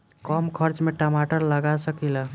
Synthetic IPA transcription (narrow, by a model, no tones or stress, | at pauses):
kəmkʰəɾt͡ʃmeʈəmaʈəɾləɡasəkilə